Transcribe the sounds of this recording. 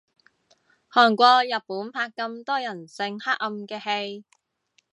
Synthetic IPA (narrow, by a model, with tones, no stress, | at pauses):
hɔː˨˩ŋkʷɔː˧jɐ˨t̚puː˨˥npʰaː˧kːɐ˧mt̪ɔː˥jɐ˨˩nsɪ˧ŋhaː˥k̚ɐ˧mkɛː˧he˧j